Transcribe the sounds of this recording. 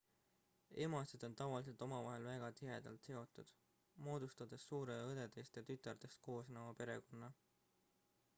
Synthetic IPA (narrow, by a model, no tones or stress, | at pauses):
e̞mɑsed̪̥o̞nt̪ɑvɑlis̬e̞lt̪ˑo̞mɑvɑɦe̞lvæɡ̥ɑt̪iɦe̞̰d̪̥ɑ̰lt̪se̞o̞t̪ːˑud̪̥ | mo̞ːd̪̥ust̪ɑd̪̥e̞sːuːɾeɤd̪̥e̞d̪est̪jɑt̪yt̪ːˑɑrd̪e̞st̪̚ko̞ːsnowɑpe̞ɾe̞ko̞nːɑ